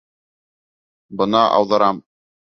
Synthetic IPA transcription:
bɤ̆nɑʔɑ̰wðɤ̆ɾɑm

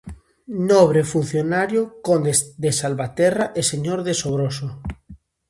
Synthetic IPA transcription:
noβ̞ɾefun̟θjonaɾjokond̪ed̪esalβat̪eraʔeseɲoɾðesoβ̞ɾoso

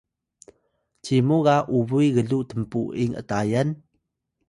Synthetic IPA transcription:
t͡ɕimuɣaʔuβujɣəɮuʔtəmpuiŋə̰tajan

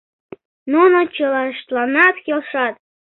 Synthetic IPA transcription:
nonot͡ɕɤlɑʃt̪lˠɑnɑt̪xʲelˠʂɑt̪̚

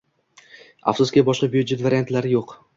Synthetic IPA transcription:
a̰fsʊskʲabɒʃqɑbjud͡ʒet̪vaɾiant̪laɾɪjoq

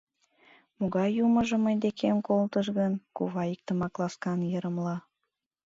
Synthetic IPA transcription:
moɣɑjuməʒə̆məjd̪ekʰemkolt̪əʃɣənkuβɑik̚t̪əmɑklˠɑskɑnjəɾəmlɑ

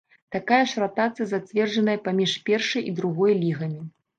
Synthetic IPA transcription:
t̪akajɐʂrat̪at̪sɨjɐzat͡sʲvʲɛrʐɐnɐjɐpamʲiʂpʲɛrʂɐjʔid̪ɾuɣɔjlʲiɣɐmʲi

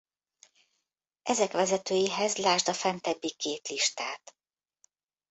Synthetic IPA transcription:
ʔɛzɛkʋɛzɛt̪øːjiɦɛzlaːʒd̪ɒfɛnt̪ɛbːikeːt̪liʃt̪aːt̪

